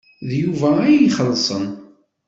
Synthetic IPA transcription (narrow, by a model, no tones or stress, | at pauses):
ðjuvææjiχəlːsˤən